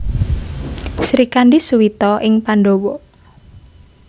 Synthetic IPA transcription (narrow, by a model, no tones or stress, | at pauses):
sɾikanɖisuwit̪ɔʔɪŋpaɳɖowɔ